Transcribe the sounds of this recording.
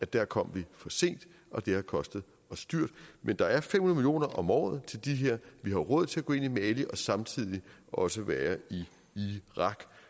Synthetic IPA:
æd̥æɐkʰɒ̽m̰ʋifɒ̽se̝̰ːnd̥ | ʔɒ̽d̥e̝hɑ̈kʰɒ̽sd̥ð̞̩ˠ | ɒ̽sːd̥yɐ̰d̥mend̥ɑ̈æɐfemhunð̩ˠmilijo̝̰ːnɐʔɒ̽mɒ̰ːð̩ˠt͡sʰe̝ld̥iɦe̝ɐ̰ʋiɦɑ̈ʁɔ̽ð̰ˠt͡sʰe̝æɡ̥oːe̝nimɛːliʔɒ̽sɑ̈mt͡sʰið̞̰ˠiʔɒ̽səʋæːɐi | iʁɑ̈ɡ̥

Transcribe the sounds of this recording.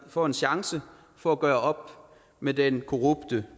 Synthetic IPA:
fɒ̰ːe̝nɕɑ̈ŋsə | fɒ̽æɡ̥ɶːɐɒ̽b̥̚ | med̥enkʰo̝ʁub̥d̥ə

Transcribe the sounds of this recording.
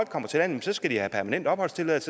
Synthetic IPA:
l̰ɡ̥̚kʰɒ̽m̰ɐt͡sʰe̝lænjemsɒ̽sɡ̥æd̥ihæpʰæɐmænen̰d̥ɒ̽b̥hɒ̽l̰st͡sʰe̝lɛð̰ˠt͡sʰe

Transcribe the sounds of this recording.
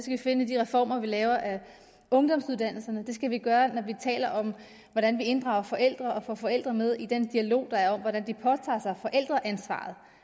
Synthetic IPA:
sɡ̥æʋife̝nəd̥iʁɛfɒ̰ːmɐʋilɛːʊɐʔæ | ɔ̽ŋd̥ɒ̽m̰suð̞ˠd̥æn̰l̩sɐnəd̥e̝sɡ̥æʋiɡ̥ɶːɐnɒʋit͡sʰɛ̰ːlɐʔɒ̽m | ʋɒdɾænʋie̝nd̥ʁɑ̈ʊ̰ɐfɒ̽ʔel̰d̥ʁɐɒ̽fɒfɒ̽el̰d̥ʁɐmeð̞ˠid̥end̥iælo̝̰ːd̥ɑ̈æɐɒ̽mʋɒɾænd̥ipʰɒ̽t͡sʰɑ̰̈ːsɑ̈ɪfɒ̽ʔel̰d̥ʁɐʔænsʋɑ̰̈ð̞̩ˠ

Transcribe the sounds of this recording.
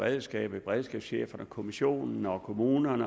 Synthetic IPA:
ʁɛðˠsɡ̥ɛ̰ːb̥b̥ʁɛðˠsɡ̥ɛːb̥sɕḛːfɐnəkʰo̝miɕo̝̰ːnn̩ɒkʰo̝muːnɐnə

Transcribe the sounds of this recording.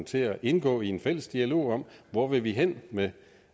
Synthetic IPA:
t͡sʰe̝æʔe̝nɡ̥ɔ̰̽ːienfel̰əsd̥iælo̝̰ːɒ̽m̰ʋɒʋe̝ʋiɦen̰me

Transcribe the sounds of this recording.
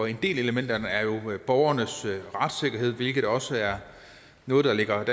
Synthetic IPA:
ɒe̝nd̥e̝̰ːle̝ləmen̰d̥ɐnəæɐjo̝b̥ɒʊɐnəsʁɑ̈d̥se̝ɡ̥ɐɦe̝ð̞̰ˠʋe̝lɡ̥ð̩ˠd̥ɒ̽səæɐ | nɔ̽ːð̞̩ˠd̥ɑle̝ɡ̥ɐd̥æ

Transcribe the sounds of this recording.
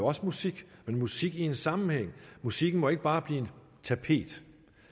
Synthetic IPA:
oɒ̽səmusiɡ̥menmusiɡ̥ie̝nsɑ̈mn̩heŋ̰musiɡ̥n̩mɒ̽e̝ɡ̥̚b̥ɑ̈ːb̥liːe̝n | t͡sʰæpʰe̝̰ːd̥

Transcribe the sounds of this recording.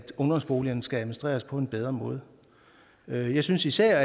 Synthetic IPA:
d̥ɔ̽ŋd̥ɒ̽msb̥o̝ːliɐnsɡ̥ææmensd̥ʁḛːɐspʰɒ̽e̝nb̥eð̞ˠʁɐmɔ̽ːð̞̩ˠ | øjɑ̈ɪsynsisæɐ̰æ

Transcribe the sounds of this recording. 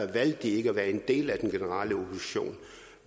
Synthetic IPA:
ɐʋæl̰d̥ie̝ɡ̥əæʋæːɐe̝nd̥e̝̰ːlæd̥enɡ̥e̝nəʁɑ̰̈ːləopʰosi̥ɕo̝̰ːn

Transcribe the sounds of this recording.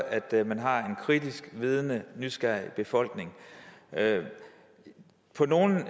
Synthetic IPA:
æd̥mænɦɑ̈e̝nkʰʁid̥isɡ̥ʋiːð̞ˠnənysɡ̥æɐ̰ib̥e̝fɒ̽l̰ɡ̥ne̝ŋ | pʰɒ̽no̝ːn̩

